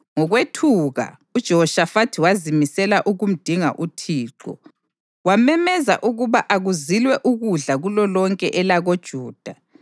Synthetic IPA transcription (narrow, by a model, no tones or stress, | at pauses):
ŋɔɣwetʰuɣa̰ | ud̥ʒ̥ʱɛɦɔʃafatʰiwazimisɛlaʔuɣum̩d̥ʱiŋa̰ʔutʰiːǃɔ̰ | wamɛmɛza̰ʔuɣuβaʔaɣuzilwɛʔuɣuɮaɣulɔlɔŋkʼɛʔɛlaɣod̥ʒ̥ʱuːd̥ʱa